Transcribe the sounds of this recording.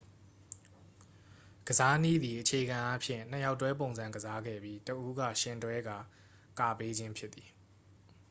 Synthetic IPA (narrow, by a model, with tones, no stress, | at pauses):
ɡ̥əza˦nḭ˦˨d̪ði˨ʔət͡ɕʰe˨ɡã˨ʔa˦pʰjɪ̰̃˦˨nn̥ə˨ja˦ʊtːwɛ˦p̬õ˨ʊ̃nzã˨ŋɡəza˦ɡɛ̰˦˨bji˦təʔu˦ɡä̰˦˨ʃɪ̃˦˨ntwɛ˦ɡa˨ | ka˨pe˦d͡ʑɪ̃˦mpʰjɪ˦t̪θi̥˨